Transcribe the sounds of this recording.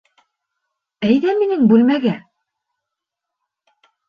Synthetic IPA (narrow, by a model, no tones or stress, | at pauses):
æjðæminɘŋbʉlmæɡæ